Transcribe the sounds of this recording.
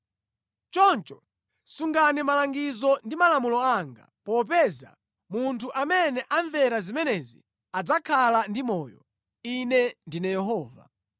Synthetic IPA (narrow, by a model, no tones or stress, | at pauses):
t͡ʃɔnt͡ʃɔ | suŋɡanimalaŋɡizɔndimalamulɔaŋɡa̰pɔp̬ɛza̰ | muntʰuʔamɛnɛʔaɱvɛɾazimɛnɛzi | ad͡zakʰalandimɔːjɔ̰ | inɛndinɛjɛɦɔːva̰